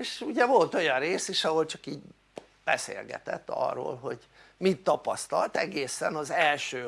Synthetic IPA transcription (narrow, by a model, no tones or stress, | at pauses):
eːʃuɟɛvo̞lt̪o̞jɒnreːseːʃɒɦolt͡ʃɒkiːɟ | b̥ɛsḛːlɡɛ̰t̪ɛ̰t̪ːɒ̰rːo̰ːlɦo̞ɟ | mit̪ːɒpɒst̪ɒlt̪ɛɡeːsɛnɒzɛlʃøː